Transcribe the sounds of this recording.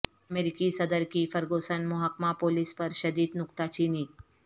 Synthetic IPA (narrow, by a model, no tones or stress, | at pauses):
ɐmeːɾikisɐd̪əɾkifɐɾɡoːsənmʊɦakmapoːlispəɾʃɐd̪iːd̪nʊkt̪at͡ʃiːniː